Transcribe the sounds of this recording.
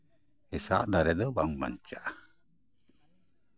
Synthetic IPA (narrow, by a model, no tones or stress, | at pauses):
hesa̰ʔd̪aɾɛd̪ɔbaŋma̰ɲt͡ʃaʔ